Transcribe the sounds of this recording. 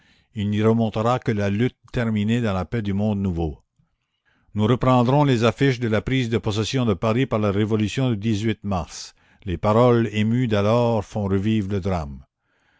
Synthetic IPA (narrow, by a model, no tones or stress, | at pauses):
ilniʁəmɔ̃t̪əʁakəlalyt̪ʰːɛʁmined̪ɑ̃lapɛd̪ymɔ̃d̪nuvo | nuʁəpʁɑ̃d̪ʁɔ̃lezafiʃ̬d̪əlapʁiːzd̪əpɔs̬esjɔ̃d̪əpaʁipaʁlaʁevɔlysjɔ̃d̪yd̪izɥit̪maʁs | lepaʁɔlemyd̪alɔːʁfɔ̃ʁəviːvʁləd̪ʁam